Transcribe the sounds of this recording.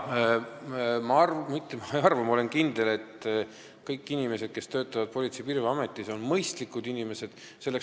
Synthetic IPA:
mɑɑrmit̪ːˑemɑeɑrvɑmo̞le̞nkind̪̥e̞le̞t̪ | kɤjkːinime̞se̞d̪̥̚ke̞st̪ø̞ːt̪ːˑɑvɑd̪̥̚polʲit̪sipirveɑme̞t̪ːˑiso̞nmɤjst̪likːˑud̪inime̞se̞d̪̥ | se̞lːek

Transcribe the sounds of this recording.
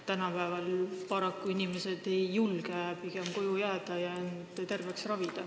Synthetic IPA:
t̪ænɑpæːvɑlpɑɾɑkˑːuinime̞se̞d̪̥e̞jːulɡ̥epike̞mko̞jujæːd̪̥ɑjɑend̪et̪e̞rve̞ksrɑvid̪̥ɑ

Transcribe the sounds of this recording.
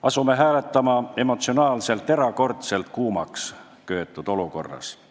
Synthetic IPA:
ʔɑsume̞ɦæːlet̪ːɑmɑe̞mo̞t̪sio̞nɑːlse̞lt̪ːe̞ɾɑko̞rt̪selt̪̚kuːmɑ̰ks | køːt̪ːˑut̪o̞luko̞̰rːɑ̰s

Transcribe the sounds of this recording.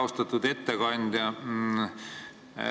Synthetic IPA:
ost̪ɑt̪ːud̪̥e̞t̪ːekɑnʲd̪̥ʲjɑ

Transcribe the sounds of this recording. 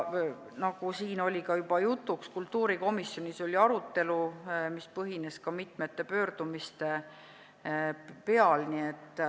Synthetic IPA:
nɑɡ̥usiːno̞lʲikɑjub̥ɑjut̪ːˑukskult̪ːuːɾiko̞misːjo̞nʲiso̞lʲiɑɾut̪ːe̞lumispɤɦine̞skɑmit̪ˑme̞t̪ːˑe̞pø̞ːrd̪̥umist̪e̞ | pe̞ɑlnie̞t̪ːˑ

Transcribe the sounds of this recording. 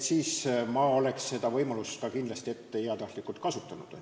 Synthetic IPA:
siːsmɑo̞le̞ksːe̞d̪̥ɑvɤ̞jmɑlust̪kɑkind̪lɑst̪ie̞t̪ːe̞iɑt̪ɑht̪likːˑult̪̚kɑsut̪ːˑɑnud̪̥o

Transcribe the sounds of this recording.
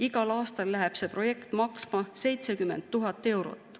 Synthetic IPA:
iɡɑlɑːst̪ɑlːæɦɛb̥se̞pro̞je̞kt̪mɑksmɑse̞jt̪sekyme̞nt̪ːuɦɑt̪ːˑe̞wɾo̞̰t̪ːˑ

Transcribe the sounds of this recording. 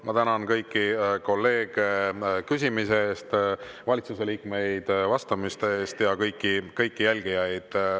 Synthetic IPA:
mɑt̪ænɑnkɤjkːiko̞lːe̞ːɡ̥ekys̬ʲimiseeːst̪vɑlʲit̪suse̞liːkme̞jd̪̥vɑst̪ɑmist̪eeːst̪jɑkɤjkːikɤjkːijælʲɡ̥ijɑjd̪̥

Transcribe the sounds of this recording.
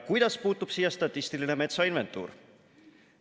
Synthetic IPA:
kujd̪̥ɑspuːt̪ːˑupsiːjɑst̪ɑt̪ːˑist̪iline̞me̞t̪sɑinve̞nt̪ˑːṵːɾ

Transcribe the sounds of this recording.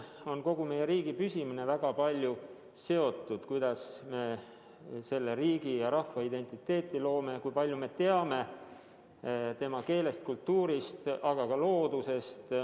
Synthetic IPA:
o̞nko̞ɡume̞jːeɾiːɡipysimine̞væɡ̥ɑpɑlʲju | se̞o̞t̪ːˑud̪̥kujd̪̥ɑsme̞ | se̞lːeɾiːɡ̥ijɑɾɑhvɑid̪e̞nʲt̪ˑit̪ːˑe̞ːt̪ˑːilo̞ːme̞kujpɑlʲjume̞t̪e̞ɑme̞ | t̪e̞mɑke̞ːle̞st̪̚kult̪ːuːɾist̪ɑɡ̥ɑkɑlo̞ːd̪̥use̞st̪

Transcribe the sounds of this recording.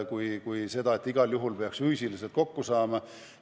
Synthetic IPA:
kujkujse̞d̪ɑe̞t̪ːˑiɡ̥ɑljuɦulpe̞ɑksfyːsiliselt̪̚ko̞kːusɑːmɑ

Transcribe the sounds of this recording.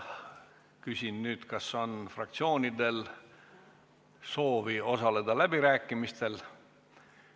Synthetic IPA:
kysʲinnyːd̪̥kɑso̞nfrɑ̰k̚t̪sio̞ːnʲid̪e̞l | so̞ːvio̞sɑle̞d̪ɑlæb̥iɾæːkːˑimist̪e̞l

